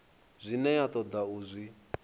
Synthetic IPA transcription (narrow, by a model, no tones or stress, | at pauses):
zʷinɛjat̪ʼɔd̪auzʷi